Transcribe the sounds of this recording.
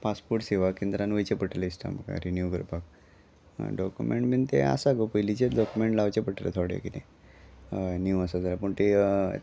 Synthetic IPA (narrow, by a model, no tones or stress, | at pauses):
paspuɾʈseʋakend̪ɾanʋəjt͡ɕepəʈəlisʈa̰m̤əka̰ɾinjukəɾpak | ɖɔkjumḛɳʈmint̪ḛa̰saɡopəjlit͡ɕeɖɔkumeɳʈlaʋt͡ɕepəʈʰɾḛt̪ʰoɽḛkinḛ | njuasad͡zalapuɳt̪e